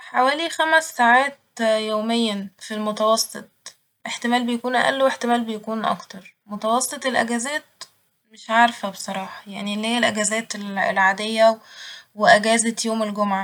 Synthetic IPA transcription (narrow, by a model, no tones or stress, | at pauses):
ħawæːlixæmæsːaːʕaːt̪̚joːmejːæfilmot̪ɑwɑsˤːet̪̚ˤ | ʔeħt̪emæːlbejækuːnʔæ̰ʔæ̰lːoweħt̪emæːlbejækuːnʔɑ̰kt̪ɑɾˤmot̪ɑwɑsˤːet̪ˤelʔæɡæzæːt̪̚ | meʃʕaɾfæbesˤɑɾˤɑːħɑ̥jaʕnilːælʔæɡæzæːt̪elḛlʕaːd̪ejːæweʔæɡæːzæt̪joːmelɡomʕa